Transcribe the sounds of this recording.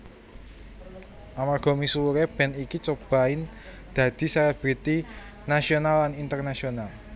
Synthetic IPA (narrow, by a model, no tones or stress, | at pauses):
ʔamarɡ̥ɔ̤misuuɾeb̥ɛ̤nikit͡ʃob̥a̤ɪn | d̪̥ä̤d̪̥i̤sɛɾɛb̥ɾit̪i | nasionalːanint̪ərnasional